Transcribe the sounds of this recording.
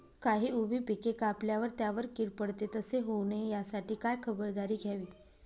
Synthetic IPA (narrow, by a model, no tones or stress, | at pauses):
kaɦiːubʱiːpikekapljaʋəɾt̪jaʋəɾkiɽpəɽt̪et̪əseɦownejasaʈiːkajkʰəbəɾd̪aɾiːɡʱjaʋiː